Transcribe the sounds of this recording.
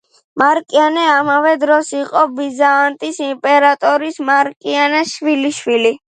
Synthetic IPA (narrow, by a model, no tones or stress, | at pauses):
maɾkʼianɛamavɛd̪ɾɔsiqʼɔbizaːnt̪ʼisimpʼɛɾat̪ʼɔɾismaɾkʼianaʃwiliʃwili